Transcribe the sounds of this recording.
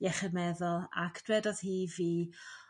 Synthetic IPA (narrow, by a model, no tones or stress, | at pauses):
jɛχəmɛðɔlˠa̰kʰd̥rɛdɔð̥hiːviː